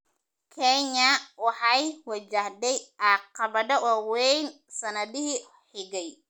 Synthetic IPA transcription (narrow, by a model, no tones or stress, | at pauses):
kʰɛɲɐwɑħɑjwɑt͡ʃahd̪ɛjʔɑqɑβɐdɐwɑwɛjn | sɐnɐðɪɦi | ħɪɣɛj